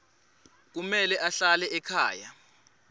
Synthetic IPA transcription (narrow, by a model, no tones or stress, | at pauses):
k̬umɛlɛʔaɬalɛʔɛkʰa̰ːja